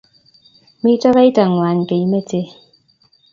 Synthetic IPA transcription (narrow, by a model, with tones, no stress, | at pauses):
mi˦tɔ˦ɣa˦i˦ta˨ŋwa˨n˨ke˨i˦me˦te˦